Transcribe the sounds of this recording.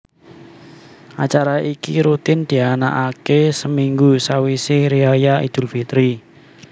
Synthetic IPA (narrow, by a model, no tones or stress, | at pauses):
ʔa̰t͡ʃaɾaʔikḭɾut̪ɪnd̪̥i̤ana̰ʔakesəmiŋɡusawisɪhɾiajaḭd̪̥ṳlfit̪ɾi